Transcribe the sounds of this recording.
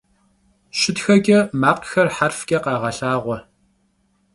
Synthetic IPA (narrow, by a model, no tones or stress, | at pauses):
ɕɪtxɐɡʲʼɐmaːqxɐrħarfɡʲʼɐqɑːʁɐɬaːʁʷɔ